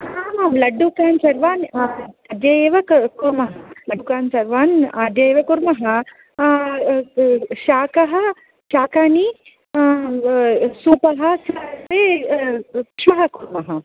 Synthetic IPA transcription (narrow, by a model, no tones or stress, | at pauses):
aːmalɐɖːukaːnsɐɾʋaːnɐd̪jɐjeːʋɐkkuɾmɐɦɐlɐɖukaːnsɐɾʋaːnɐd̪jɐjeːʋɐkuɾmɐɦɐ | ʃaːkɐɦɐ̆ | ʃaːkaːni | suːpɐɦɐsɐseː | ʈʂʰɐɦɐkuɾmɐɦɐ